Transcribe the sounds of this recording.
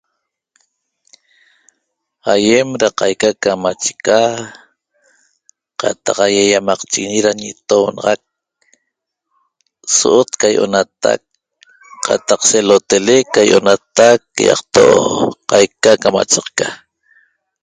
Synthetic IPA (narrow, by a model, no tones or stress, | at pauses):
hajemɾaqɑjkakamat͡ʃe̥ka | qɑ̰t̪ɑqajajamɑqt͡ʃiɣiɲiɾaɲit̪ownɑʁɑk̚ | soʔot̪kajʔo̰nat̪a̰k̚ | qʰɑ̰t̪ɑqselot̪elekajʔonat̪akːjɑ̰qt̪oʔo̰qɑjkakama̰t͡ʃɑqka